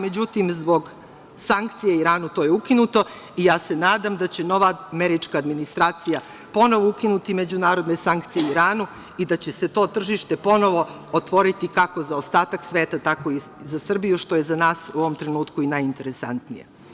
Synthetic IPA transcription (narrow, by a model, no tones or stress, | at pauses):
me̞d͡ʑut̪imzbo̞ɡ | saŋk̚t̪sijeiɾaːnut̪o̞ːje̞ukinut̪o̞ | ijaːse̞naːd̪amd̪at͡ɕe̞no̞ʋameɾit͡ʃkaːd̪minist̪ɾaːt̪sija | po̞no̞ʋoukinut̪ime̞d͡ʑunaːɾo̞d̪ne̞saŋk̚t̪sijeiɾaːnu | id̪at͡ɕese̞t̪o̞ːt̪r̩ʒiʃt̪epo̞no̞ʋo̞ | ot̪ʋo̞ɾit̪ikako̞zaost̪aːt̪aksʋeːt̪at̪ako̞izasr̩bijuʃt̪o̞jezanaːsuoʋomt̪ɾe̞nuːt̪kuinajint̪eɾesa̰nt̪nḭja̰